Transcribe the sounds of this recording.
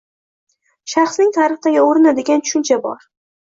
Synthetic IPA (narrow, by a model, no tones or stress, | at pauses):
ʃɑχsnɪŋt̪ʰaɾɨχd̪aɡʲɪoɾɪnad̪e̞ɡʲant̪ʰʊ̥ʃʊnt͡ʃʰabɒ̰ɾ